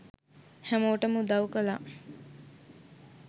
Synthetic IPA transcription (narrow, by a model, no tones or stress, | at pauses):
hæmoːʈəmud̪awkəla